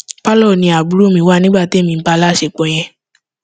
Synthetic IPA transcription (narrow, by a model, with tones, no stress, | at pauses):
pa˦lɔ˦˨nĩ˧a˨bu˨˦ɾo˦˨mĩ˧˦wa˦˨nĩ˦ɡ͡ba˦˨ti˨˦˨mĩ˧˦ba˧la˦˨ʃe˧˨k͡põ˨˧j̃ɛ̃˧